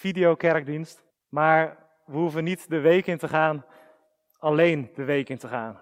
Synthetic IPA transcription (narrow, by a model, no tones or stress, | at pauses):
fidijokɛɹk̚dinst | maːɹ | ʋəɦuvənitdəʋejkɪntəχaːn | ɑlejnd̥əʋejkɪntəχaːn